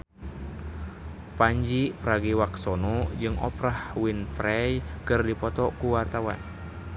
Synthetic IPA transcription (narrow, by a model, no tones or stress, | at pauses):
paɲd͡ʒipɾaɡiwaksɔnɔd͡ʒɨŋɔ̰pɾahwinfɾɛjkɨrdipɔt̪ɔkuwart̪awa̰n